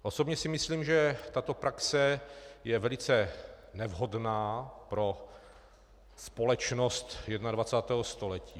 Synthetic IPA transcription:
ʔosobɲɛsɪmɪsliːmʒɛt̪at̪o̞pɾaksɛjɛvɛlɪt͡sɛ | nɛvɦo̞dnaːpɾo̞ | spo̞lɛt͡ʃnost̪jɛdnadvat͡saːt̪ɛːɦost̪o̞lɛciː

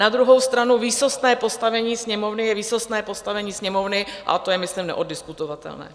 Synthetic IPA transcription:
nad̪ɾuɦo̞wst̪ɾanuviːsost̪nɛːpo̞st̪avɛɲiːsɲɛmovnɪjɛviːsost̪nɛːpo̞st̪avɛɲiːsɲɛmo̞vnɪʔa̰t̪o̞jɛmɪslimnɛ̰ʔodɪskut̪ovat̪ɛ̰lnɛ̰ː

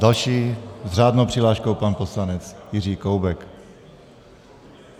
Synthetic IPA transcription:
dalʃiːzr̝aːdnowpr̥ɪlaːʃkowpanposlanɛt͡sjɪr̝iːkowbɛk

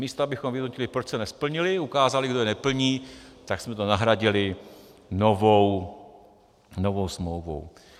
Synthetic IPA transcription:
miːst̪oabɪxomvɪdnocɪlɪpɾot͡ʃsɛnɛspl̩ɲɪlɪukaːzalɪɡdojɛnɛpl̩ɲiːt̪aksmɛt̪o̞naɦɾaɟɪlɪ | no̞vow | no̞vo̞wsmlowvo̰w

